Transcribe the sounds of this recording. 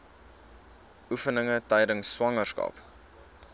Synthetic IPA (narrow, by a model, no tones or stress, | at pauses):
ʔufənəŋətœjdənsːwɐŋərskɐ̰p